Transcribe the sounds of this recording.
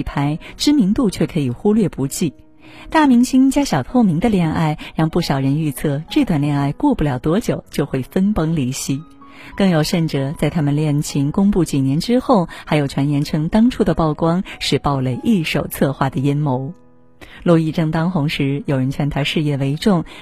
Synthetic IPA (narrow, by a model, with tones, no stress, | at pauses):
pʰa˧˥ɪʈ͡ʂɻ̩˥mi˧˥ŋt̪u˥˧t͡ɕʰɥɛ˥˩kʰɤ˧˥i˨˩xu˥lɥɛ˥˩pu˧˥t͡ɕi˥˩ | t̪a˥˩mi˧˥ŋɕi˥nt͡ɕja˥ɕjɑ˨˩ʊt̪ʰo˥˩ʊmi˧˥ŋd̪ə˧ljɛ˥˧nʔa˥˩ɪɻɑ˥˧ŋpu˥˩ɕjɑ˨˩ʊɻə˧˥ny˥˧t͡sʰɤ˥˧˩ʈ͡ʂɤ˥˩t̪wa˨˩nljɛ˥˧na˥˧ɪkwɔ˥˧pu˥˩ljɑ˨˩ʊt̪wɔ˧˥t͡ɕjo˨˩ʊt͡ɕjo˥˧ʊxwe˥˩ɪfə˥npɤ˥ŋli˧˥˩ɕi˧˥ | kɤ˥˩ŋjo˨˩ʊʂə˥˩nʈ͡ʂɤ˨˩t͡sa˥˩ɪt̪ʰa˥mə˨nljɛ˥˩nt͡ɕʰi˧˥ŋkʊ˥ŋpu˥˩t͡ɕi˨˩njɛ˧˥nʈ͡ʂɻ̩˥xo˥˩ʊxa˧˥ɪjo˨˩ʊt͡ɕʰɥɛ˧˥njɛ˧˥nʈ͡ʂʰɤ˧˥ŋt̪ɑ˥ŋʈ͡ʂʰu˥˩d̪ə˩pɑ˥˩ʊkwɑ˥ŋʂɻ̩˥˧pɑ˥˧ʊle˧˩ɪʔi˥˩ʂo˨˩ʊt͡sʰɤ˥˧xwa˥˩d̪ə˩jɛ˥nmo˧˥ʊ | lwɔ˥˧i˥˧ʈ͡ʂɤ˥˩ŋt̪ɑ˥ŋxʊ˧˥ŋʂɻ̩˧˥jo˨˩ʊɻə˧˥nt͡ɕʰɥɛ˧˥nt̪ʰa˧˥ʂɻ̩˥˧jɛ˥˩we˧˥ɪʈ͡ʂʊ˥˩ŋ